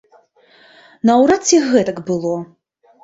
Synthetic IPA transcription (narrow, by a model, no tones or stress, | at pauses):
nɐwɾat͡sʲiɣɛt̪ɐkbɨlˠɔ